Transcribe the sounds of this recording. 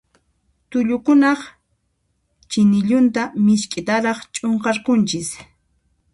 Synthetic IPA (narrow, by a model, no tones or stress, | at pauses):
t̪ʊʎʊkʊnɑχ | t͡ʃɪnɪʎʊnt̪amɪʃkʼɪt̪aɾɑχt͡ʃʼoɴqɑɾkʊnt͡ʃɪs